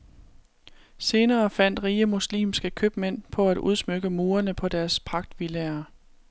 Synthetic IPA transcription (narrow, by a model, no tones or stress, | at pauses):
se̝ːnɐːfæn̰d̥ʁiːəmuslḭːmsɡ̥əkʰøb̥men̰pʰɒ̽æd̥ʔuð̞ˠsmøɡ̥əmo̝ːɐnəpʰɒ̽d̥æɐspʰɑ̈ɡ̥̚d̥ʋileɐ